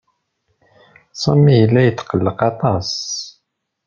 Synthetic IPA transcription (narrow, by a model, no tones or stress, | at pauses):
sˤɑmːijəlːæjət̪ːqəlːəqɑt̪ˤɑs